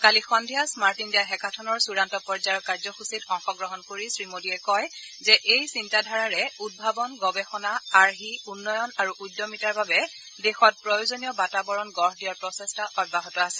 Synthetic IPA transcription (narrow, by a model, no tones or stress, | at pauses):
kalixɔndʱijasmaɹtindiaɦɛkʰatʰɔnɔɹsuɹantɔpɔɹzajɔkːaɹzɔxusitɔŋxɔɡɹɔɦɔnkoɹisɹimodiɛkɔj | zɛʔejsintadʱaɹaɹɛud̚bʱabɔnɡɔbɛxɔnaaɹɦiunːɔjɔnaɹuʔujdːɔmitaɹbabɛ | dexɔt̚pɹɔjozoniɔbatabɔɹɔnɡɔɹɦdiaɹpɹɔsɛstaʔɔt̚baɦɔtɔasɛ